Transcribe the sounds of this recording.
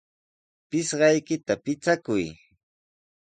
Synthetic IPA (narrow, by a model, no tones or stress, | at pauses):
pɪsɢɑjkɪt̪apɪt͡sakʊj